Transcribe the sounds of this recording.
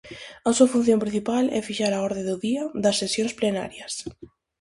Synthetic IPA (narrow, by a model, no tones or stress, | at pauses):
ɐsuɐfun̟θjõmpɾĩn̟θipalɛ̰fiʃaɾaɔɾðẽd̪ʊðiɐðɐsːesjõŋsplena̰ɾjɐs